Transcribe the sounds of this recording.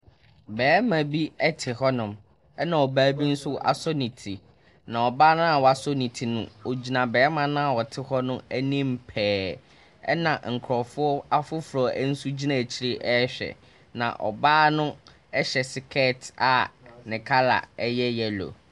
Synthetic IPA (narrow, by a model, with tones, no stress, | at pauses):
bɛː˨˦mã˨bi˦ɛ˦tʰɪ˨ɦɔ˦nʊ̃˨m | ɛ˦nã˨ɔ˨baː˦bi˦n̩˦sʊ˦ʔa̰˨sɔ˦nĩ˨tʰi˨ | nã˨ɔ˨baː˦nʊ̃˦a˨wɔ˨a˨sɔ˦nĩ˨tʰi˨nʊ̰̃˦˨o˨d͡ʑi˨nã˨bɛː˨˦mã˨nʊ̃˦a˨wɔ˨tʰɪ˦hɔ˦nʊ̃˦ɛ˦nĩ˦m̩˨pʰɛː˨ | ɛ̰˦nã˨ŋ̩˨kʰɾɔ˨fʊ˦ɔ˦a˦fʊ˦fʊ˨ɾɔ˨ʔæ˦n̩˦su˦d͡ʑi˦nã˦˨t͡ɕʰi˦ɾɪ˦ʔɛ˦ɕᶣɛ̰˨ | nã̰˨ʔɔ̰˨baː˦nʊ̃˦ | ɛ˦ɕɛ˨sɪ˨kʰɛ˦˨ta˨nɪ̃˨kʰa˦la̰˨ɛ˦jɛ˦jɛ˦lo̰˨